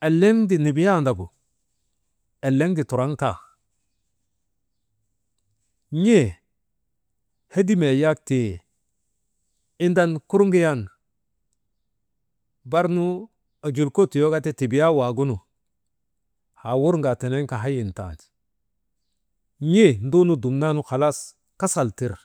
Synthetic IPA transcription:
e˨lːe˦ŋdi˨ni˨bi˦ja˦˨nda˨bu˨ | e˨lːe˦ŋdi˨tu˨ɾa˦ŋta˨ | ɲe˦˨ | he˦di˦me˨ja˦k̚te˨ | i˦nda˦nku˦ɾŋɡi˦ja˦˨n | ba˦ɾnu˦ | a˨d͡ʒu˨lko˦ti˨jo˦ɡa˦te˦ti˨bi˨ja˦wa˨ɡu˦nu˨ | ha˨wu˦ɾŋɡa˨te˨ne˦ŋka˨ɦa˦ji˨nta̰˨t | ɲe˦˨n˦du˦nu˦du˨mna˦nu˦xa˨la˦s | ka˦sa˨lti˦˨ɾ

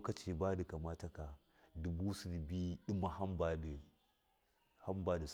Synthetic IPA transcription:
ka˨t͡ʃe˨baː˦di˨ka˨ma˦ta˦ka˨ | du˨bu˦si˨dbi˦ɗi˦ma˨ha˦mba˦d | ha˦mba˦da˨s

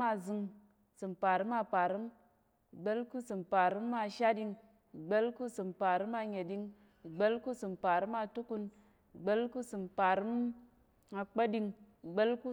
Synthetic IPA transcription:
a˧zɨ˧ŋ˨ | sɨ˨mpa˨ɾi˦ma˧pa˨ɾi˦m˨ | ɡ͡be˦lku˦sɨ˨mpa˨ɾi˦mːa˧ʃa˦di˧ŋ˨ | ɡ͡be˦lku˦sɨ˨mpa˨ɾɨ˦ma˧ɲe˨di˧ŋ˨ | ɡ͡be˦lku˦sɨ˨mpa˨ɾi˦ma˧tu˦ku˧n˨ | ɡ͡be˦lku˦sɨ˨mpa˨ɾi˦m | a˧k͡pe˦di˧ŋ˨ | ɡ͡be˦lku˦

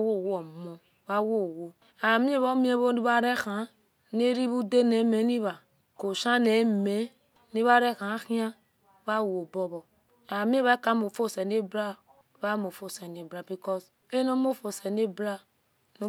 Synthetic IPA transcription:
wo˦˨wɔ˨mɔ̃˨ | βa˦wo˦˨wo˦ | a˨mĩ˦e˦βɔ˦mĩ˦e˦βo˦ni˦βa˦ɾɛ˦xã˨˦ | ne˦ɾi˦βu˦de˦ne˨˦me˨˦ni˦βa˨ | ko˨ʃã˦ne˨˦me˨˦ | ni˦βa˦ɾɛ˦kã˨˦xĩ˦ã˦ | βa˦˨wo˨bɔ˦bɔ˨ | a˨mĩ˦e˦βa˦ka˨˦mo˨fo˦˨sɛ˨ne˦bɾa˦ | βa˦mo˨fo˦sɛ˨ne˨bɾa˨bi˨kɔ˦s | e˦no˦mo˦˨fo˨sɛ˨ne˦bɾa˦ | no˦

